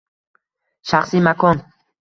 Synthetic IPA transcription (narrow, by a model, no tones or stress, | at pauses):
ʃɑχsɪmakoŋ